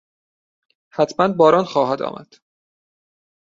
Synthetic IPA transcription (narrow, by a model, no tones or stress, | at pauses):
hæt̪ʰmænbɒːɾɒːnxɒːɦæd̪ɒ̰ːmʔæ̰d̪̥